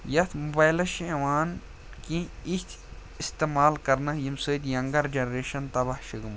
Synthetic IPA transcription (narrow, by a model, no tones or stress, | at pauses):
jɐt̪ʰmobaːjlɐʃiʋaːn | kĩit̪ʰ | ist̪eːmaːlkɐɾnɐɦjimsɨt̪jɐŋɡɐɾd͡ʒɐnɾeːʃɐnt̪ɐbɐhʃiɡɨm